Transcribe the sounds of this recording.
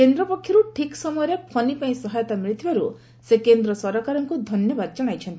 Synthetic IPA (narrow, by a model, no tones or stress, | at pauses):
kend̪ɾɔpɔkʰːjɔɾuʈʰiksɔmɔjɔɾjɔpʰɔnipaĩsɔɦajɔt̪amɾit̪wjɔɾu | sekend̪ɾɔsɔɾɔkaɾɔŋkud̪ʱɔnjɔbad̪d͡ʒɔɽ̃ajt͡ʃʰɔnt̪i